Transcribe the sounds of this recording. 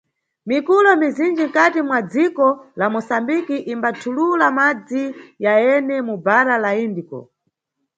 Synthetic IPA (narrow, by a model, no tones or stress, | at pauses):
mikulɔmizind͡ʒiŋ̩katimwad͡zikɔlamɔsambikiʔimbatʰululamad͡zijajɛnɛmubaɾalaindikɔ̰